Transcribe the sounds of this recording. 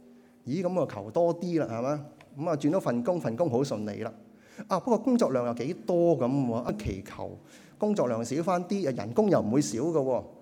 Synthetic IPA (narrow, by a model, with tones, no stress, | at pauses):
jiː˨˥kɐ˨˥mɔː˧kʰɐ˨˩wt̪ɔː˥t̪iː˥laː˨ha˨maː˧˥kɐ˨˥maː˨˧t͡ʃy˧nt̪o˨˥wfɐ˨nkʊ˥ŋfɐ˨nkʊ˥ŋɦo˨˥wsɵ˧nlḛ˨˧jlaː˨ | ʔaː˧pɐ˥kːɔː˧kʊ˥ŋt͡ʃɔː˧klœː˨˩ŋjɐ˨wke˨˧˥jt̪ɔː˥kɐ˨˧˥mwɔː˧ʔaː˧˥kʰḛ˨˩jkʰɐ̰˨˩w | kʊ˥ŋt͡ʃɔː˧k̚lœː˨˩ŋsi˨˥wfaː˥nt̪iː˥a˨˧jɐ̰˨˩nkʊ˥ŋjɐ˨wm̩˨˩wuː˨˧jsiː˨˥wkɐ˧wɔː˧